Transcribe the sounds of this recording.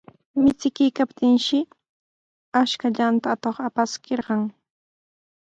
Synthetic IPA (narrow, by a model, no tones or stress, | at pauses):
mɪt͡sɪkɪjkapt̪ɪŋʃɪ | aʃkaʎant̪aːt̪oχapaskeɾɢɑŋ